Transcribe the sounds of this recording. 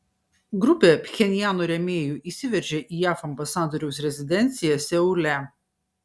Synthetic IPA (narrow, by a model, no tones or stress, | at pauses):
ɡɾʊpʲeːpʲxʲɛnʲɪjæːnoːɾʲɛmʲeːjuːʔiːsʲɪʋʲɛɾʲʒʲɛʔiːjæːfɐmbɐsɑːd̪oːɾʲɛʊsɾʲɛzʲɪd̪ʲɛnʲt̪sʲɪjɛsʲɛʊlʲæ